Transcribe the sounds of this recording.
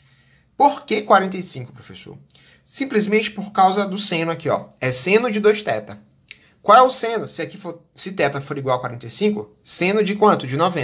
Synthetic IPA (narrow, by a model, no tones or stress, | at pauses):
poɾkekwaɾẽnt̪ejsĩkʊ̥pɾofeso̰ɾ | sĩplizmẽnt͡ʃɪ̥poɾkawzɐd̪ʊsẽnʊakiɔ̰ɛsẽnʊd͡ʒɪd̪ojʃt̪ɛt̪ɐ | kwawɛʊsẽnʊsɪakifosɪt̪ɛt̪ɐfoɾiɡwawkwaɾẽnt̪ejsĩŋkʊ | sẽnʊd͡ʒɪkwɐ̃t̪ʊd͡ʒɪnɔvẽ